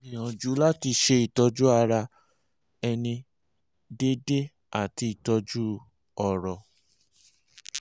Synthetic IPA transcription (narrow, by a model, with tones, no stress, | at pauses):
ĩ˨jã˨d͡ʒu˨˦la˦ti˧ʃe˧i˨tɔ˧d͡ʒu˦a˧ɾa˧ | ɛ˧nĩ˧ | de˦de˦ | a˨ti˧i˨tɔ˧d͡ʒu˦ | ɔ˨ɾɔ˨